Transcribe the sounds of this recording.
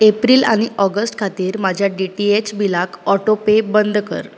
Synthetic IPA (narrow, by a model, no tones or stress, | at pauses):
epɾiːla̰ɽ̃iʔɔɡəsʈkʰat̪iːɾmad͡ʑʱjaɖiʈiet͡ɕbilakɔʈopebənd̪kə̰ɾ